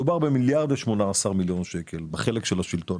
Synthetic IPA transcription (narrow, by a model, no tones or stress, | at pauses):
ubaʁbemiljaʁd̪veʃmo̞naːsaʁmiljo̞nʃekʰelbeχelekʃelaʃilt̪o̞